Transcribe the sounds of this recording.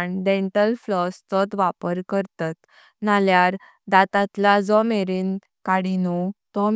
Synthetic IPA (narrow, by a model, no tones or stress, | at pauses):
ɳɖɛ̃ɳʈəlflɔst̪ɔt̪ʋapəɾkəɾt̪at̪ | naljaɾ | d̪at̪at̪lad͡zɔmeɾiːn | kaɽinut̪ɔm